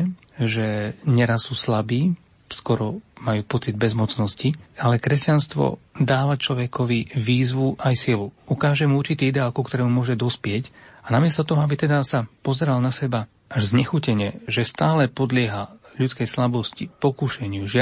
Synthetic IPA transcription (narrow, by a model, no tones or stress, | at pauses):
ʒɛɲɛɾasːuːslabiː | skɔɾɔmajuːpɔt͡sid̪̚bɛzmɔt͡snɔscialɛkɾɛscanst̪ʋɔ̰d̪aːʋat͡ʃlɔʋɛkʰɔʋiʋiːzʋuʔajsiluukaːʒɛmuuɾrt͡ʃit̪iːid̪ɛaːlkukt̪ɔɾɛːmumʊɔʒɛd̪ɔspɪɛcanamɪɛst̪ɔt̪ɔɦɔabit̪ɛd̪asapɔzɛɾalnasɛba | ʔaʒzɲɛxucɛɲɪɛʒɛst̪aːlɛpɔd̪lɪɛɦaʎut͡skɛjslabɔscipɔkuʃɛɲɪuʒɪa